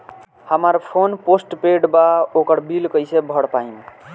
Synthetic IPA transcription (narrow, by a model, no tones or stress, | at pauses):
həməɾpʰonposʈpeɖbaokəɾbilkəjsebʱəɽpaim